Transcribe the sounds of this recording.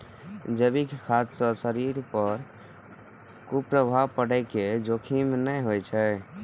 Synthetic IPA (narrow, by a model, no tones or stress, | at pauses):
d͡ʒəbikekʰat̪sə̃səɾiɾpəɾ | kupɾəbʱabpəɽɛked͡ʒokʰimnəjɦojt͡ʃʰɛ